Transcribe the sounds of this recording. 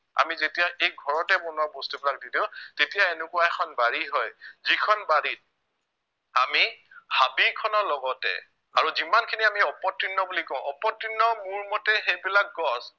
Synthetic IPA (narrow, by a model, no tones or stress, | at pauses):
a̰mizetijaʔejɡʱɔɹɔtɛbɔnwabostibilak̚didiʊ̃tetijaenʊkʊwaɛkʰɔnbaɹiɦɔjzikʰɔnbaɹit̚ | amihabikʰɔnɔlɔɡɔtɛ̰ | a̰ɹuzimankʰiniamiɔpɔtɹinːɔbulikɔʊ̃ɔpɔtɹinːɔmuɹmɔtɛxejbilak̚ɡɔs